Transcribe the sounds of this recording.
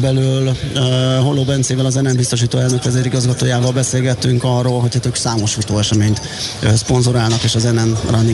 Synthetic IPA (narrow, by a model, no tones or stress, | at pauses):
bɛlyl | ɦo̞lːoːbɛnt̪seːvɛlɒzɛnɛmbist̪o̞ʃ̬iːt̪oːɛlnø̞kʋɛzeːɾiɡɒzɡɒt̪oːjaːvɒlbɛseːlɡɛt̪ːyŋkɒrːoːlɦocʰhat̪øːksaːmo̞ʃfut̪oːɛʃɛmeːɲt̪ː | spo̞nzoɾaːlnɒkeːʃɒzɛnɛnrɒnːi